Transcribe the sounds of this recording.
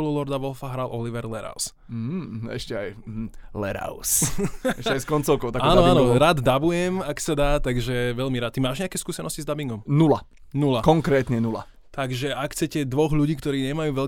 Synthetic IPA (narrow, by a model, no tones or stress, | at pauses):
ɔlulɔɾd̪aʋɔlfaɦɾalʔɔliʋɛɾlɛɾa̰ʊs̩ | ɦɛ̰ʃcɛa̰j̩lɛ̰ɾa̰ʊsɛʃɛajskɔnt͡sɔʊkɔʊaaːnɔanɔɾaːd̪d̪abujɛmaksad̪aːt̪aɡʒɛʋɛʎmiɾaːt̪ːimaːʒɲɛakɛːskuːsɛnɔscizd̪abiŋɡɔmnula | nulakɔŋkɾɛːt̪ɲɛnula̰ | t̪aɡʒɛakxt͡sɛcɛd̪ʋɔɣʎuɟiːkt̪ɔɾiːɲɛmajuːʋɛl